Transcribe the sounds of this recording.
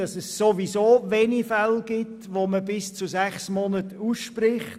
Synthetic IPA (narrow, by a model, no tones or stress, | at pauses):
ɑsɛssoʋizoːʋeːnifælɡ̥ɪtʋoməbɪst͡suzɛχsmɔnətuːsʃprɪχt